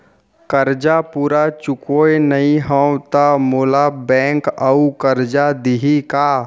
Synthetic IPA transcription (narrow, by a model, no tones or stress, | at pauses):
kəɾd͡ʒapuːɾat͡ʃʊkoenɐɦĩɦə̃wt̪amoːlabɛ̃ːŋkəukəɾd͡ʒad̪iɦikaː